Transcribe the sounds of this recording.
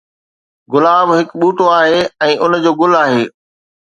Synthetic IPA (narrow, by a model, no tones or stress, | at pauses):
ɡʊlaːbɦɪkɓuːʈoaːɦeːɛ̃ːʔʊnd͡ʑoːɡʊlaːɦeː